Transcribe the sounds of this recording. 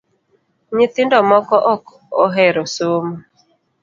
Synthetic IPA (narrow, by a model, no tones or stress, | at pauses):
ɲɪt̪ɪndɔmɔkɔʔɔk | ɔɦɛɾosomo